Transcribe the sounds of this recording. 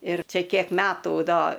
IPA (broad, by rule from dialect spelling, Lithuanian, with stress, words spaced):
ɪr ˈt͡ʃʲɛ ˈkʲiɛk ˈmʲæːtuː ˈdoː